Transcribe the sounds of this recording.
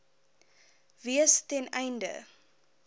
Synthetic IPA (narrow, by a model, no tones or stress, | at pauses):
viəstɛnɛjndə̰